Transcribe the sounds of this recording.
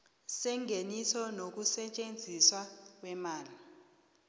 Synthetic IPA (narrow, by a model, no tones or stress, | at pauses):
sɛŋʱenisɔnok̬ʼusɛt͡ʃʼend͡zʱiswak̬wɛmaːli